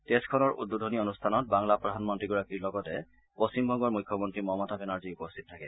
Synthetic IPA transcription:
teskʰɔnɔɹʔudːudʱonionustʰanɔt̚baŋlapɹɔdʱanmɔntɹiɡuɹakiɹlɔɡɔtɛ | post͡ɕimbʱɔŋɡɔɹmujkʰːɔmɔntɹimɔmɔtabɛnaɹziupostʰi̥t̚tʰakɛ

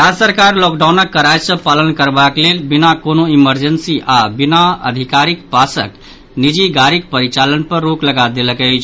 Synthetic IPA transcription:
ɾasəɾkaɾlɔk̚ɖaʊnəkːəɾajsə̃palənkəɾbaklelbinakonoiməɾd͡ʒənsiʔabinaə̰d̪ʱikaɾikpasə̰k | nid͡ʒiɡaɾik̚pəɾit͡ʃalənpəɾːokləɡad̪eləkəɪt͡ʃʰ

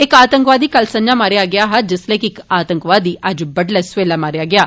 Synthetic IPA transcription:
ɪkaːt̪əŋkʋaːd̪iːkəlsə̃ɲd͡ʒaːmaːɾejaːɡɪjaːɦad͡ʒɪslə̃ːkɪɪkaːt̪ə̃ŋkʋaːd̪iːʔəd͡ʒbəɖlɛːsʋeːlaːmaːɾejaːɡɪaː

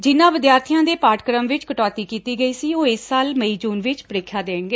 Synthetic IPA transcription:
d͡ʒɪnːãːʋɪd̪jaːɾt̪ʰijãːd̪eːpaːʈkəɾəmʋɪt͡ʃkəʈɔːt̪iːkiːt̪iːɡəiːsiːoːɪsːaːlməiːd͡ʒuːnʋɪt͡ʃpəɾɪːkʰːjaːd̪eːɡeː

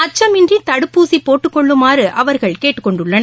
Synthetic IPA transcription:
ɐt͡ʃːɐmɪndrit̪ɐɽɯpːuːsipoːʈːɯkːɔɭːɯmaːrɯʔɐʋɐɾɣɐɭkeːʈːɯ̥kːɔɳɖɯɭːɐnɐ

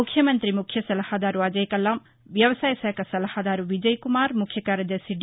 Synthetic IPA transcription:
ukʰjɐmɐnt̪ɾimukʰjɐsɐlɐhad̪aːɾuɐd͡ʒɐjkɐlam | ʋjɐʋɐsaːjɐsɐjɐkɐsɐlɐhad̪aːɾuʋid͡ʒɐjkumaːɾmukʰːjɐkaːɾjɐd̪ɐɾsiɖ

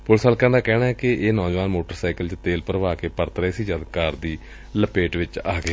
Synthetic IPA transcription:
pʊlsalkãːd̪aːkɛːnaːɦɛːkɪeːnɔ̃ːd͡ʒʋaːnmoːʈəɾsaːikəlt͡ʃt̪eːlpəɾʋaːkeːpəɾt̪əɾeːsiːd͡ʒad̪kaːɾd̪iː | ləpeːʈʋɪt͡ʃaːɡeː

